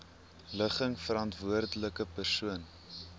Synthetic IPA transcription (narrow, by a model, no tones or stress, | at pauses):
ləχəŋfəɾɐntvuərdələkəpərsuən